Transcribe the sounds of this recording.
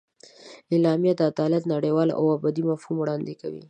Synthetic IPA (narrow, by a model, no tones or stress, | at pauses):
ɪlɑmjad̪əad̪ɑlat̪naɽewɑlʔa̰wabɑd̪imafhumwɽɑnd̪ɪkawḭ